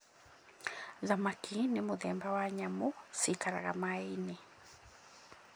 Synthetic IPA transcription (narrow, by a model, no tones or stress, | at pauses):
ðamakinemoðɛmbawaɲamosikaɾa̰ɣa̰maine